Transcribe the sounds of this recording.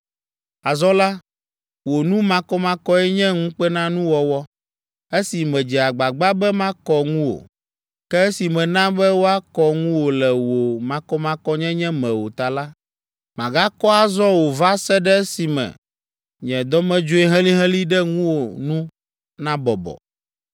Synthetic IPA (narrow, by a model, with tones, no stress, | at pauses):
a˨zɔ˦la˦ | wo˨nũ˦mã˦kɔ˦mã˦kɔ˦ɛ˦ɲɛ̃˦ŋũ˦k͡pɛ˦nã˦nũ˦wɔ˦wɔ˦ | e˦si˨mɛ̃˨d͡ʒi˨a˨ɡ͡ba˨ɡ͡ba˦bɛ˦mã˦kɔ˦ŋũ˦wo̰˨ | kɛ˦e˦si˨mɛ̃˨nã˦bɛ˦wo˦a˦kɔ˦ŋũ˦wo˨lɛ˨wo˨mã˨kɔ˦mã˦kɔ˦ɲɛ̃˦ɲɛ̃˦mɛ̃˨wo̰˨t̪a˨la˦ | mã˨ɡa˦kɔ˦a˨zɔ˦wo˨va˦sɛ˦ɖɛ˦e˦si˨mɛ̰̃˨ | ɲɛ̃˨d̪ɔ˦mɛ̃˦d͡ʒo˦ɛ˦ɦɛ̃˦li˦ɦɛ̃˦li˦ɖɛ˦ŋũ˦wo˨nũ˦ | nã˦bɔ̰˨bɔ̰˨